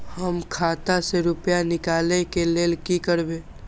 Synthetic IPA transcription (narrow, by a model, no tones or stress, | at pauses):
həmkʰaːt̪aseɾʊpjanɪkaːlekeleːlkikəɾbeː